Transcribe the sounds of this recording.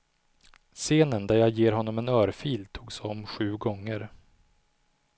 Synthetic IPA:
seːnənd̪æɾjɑːjeːɾɦɔnːɔmɛnœːɾfiːlt̪ʰuːɡsɔmːɧʉ̟ːɡɔŋːəɾ

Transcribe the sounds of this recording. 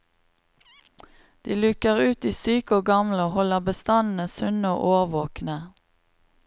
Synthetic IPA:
d̪̥iːlʉkəʁʉːt̪iːsyːkəoːɡɑmləoːhɔləʁbəst̪ɑnn̩əsʉnəo̰ːʔoːʁʋoːknə

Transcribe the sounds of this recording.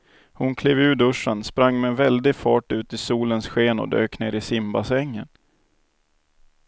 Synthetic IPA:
hʊnkʰleːvʉ̟ːd̪ɵʂːanspɾaŋːmɛɛnvɛld̪ɪɡfɑːʈʉ̟ːt̪ɪsuːlənsɧeːnɔ̰d̪ø̰ːknḛːɾɪsɪmbasɛŋːən

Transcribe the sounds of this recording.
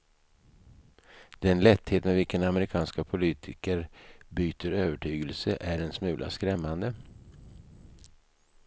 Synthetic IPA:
d̪̥ɛnlɛt̪ːheːt̪mɛvɪlkənaməɾɪkʰɑːnskapʰʊliːt̪ʰɪkəɾbyːt̪ʰəɾøːvəʈʰyːɡəlsəʔæɖɛnsmʉ̟ːlʔa̰skɾɛmːand̪ə

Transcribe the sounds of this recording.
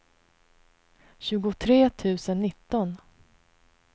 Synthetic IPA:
ɕʉ̟ːɡʊt̪ʰɾeːt̪ʰʉ̟ːsənːɪt̪ːɔn

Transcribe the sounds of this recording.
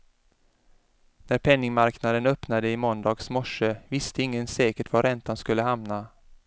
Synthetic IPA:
næɾpʰɛnːɪŋmaɾknad̪ənœpnad̪əɪmɔnd̪ɑːɡsmɔʂːəvɪst̪əɪŋːənsɛːkəʈvaɾɛnt̪anskɵlːəhamna

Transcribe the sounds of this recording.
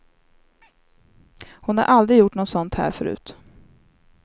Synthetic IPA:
hʊnha̰ɾʔald̪ɾɪjʊʈːnɔt̪sɔnt̪hæ̰ːɾfœɾʉ̟̰ːt̪

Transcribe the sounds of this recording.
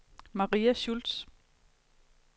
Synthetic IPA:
mɑ̈ʁḭːæɕuld̥s

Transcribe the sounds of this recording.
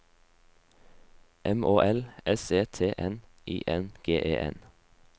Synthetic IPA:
ʔɛmoːʔɛlɛseːt̪ʰeːʔɛn | iːʔɛnɡ̥eːʔḛːʔɛ̰n

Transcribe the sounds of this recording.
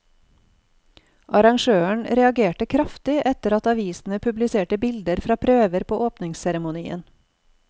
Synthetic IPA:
ʔɑɾɑŋʃøːəɳɾɛɑɡeːʈəkʰɾɑft̪ɪʔɛt̪əɾɑt̪ɑʋiːsn̩əpʰʉblɪseːʈəbɪld̪əɾfɾɑːpʰɾøːʋəɾpʰoːʔoːpnɪŋssɛɾəmʊniːə̰n

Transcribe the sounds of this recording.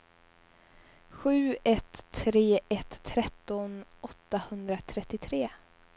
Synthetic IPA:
ɧʉ̟ːɛt̪ʰːɾeːʔɛt̪ʰːɾɛt̪ːɔnɔt̪ːahɵnd̪ɾat̪ʰɾɛt̪ːɪt̪ʰɾeː

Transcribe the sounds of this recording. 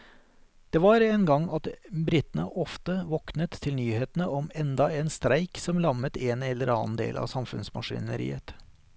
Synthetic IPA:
d̪̥ɛːʋɑɾeːnɡɑŋːɑt̪bɾɪt̪nə̰ʔɔft̪əʋɔknət̪ʰːɪlnyːheːt̪nəʔɔmɛnd̪ɑeːnst̪ɾæɪksɔmlɑmət̪ʰeːnɛlːəɾɑːnd̪ḛːlʔɑ̰ːsɑmfʉ̰nsmɑ̰ʂɪ̰nə̰ɾḭːət̪

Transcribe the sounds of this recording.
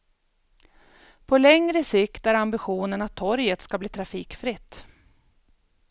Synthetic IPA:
pʰɔlɛŋɾəsɪkt̪æɾambɪɧuːnənat̪ʰːɔɾjət̪skabliːt̪ʰɾafiːkfɾɪt̪ː

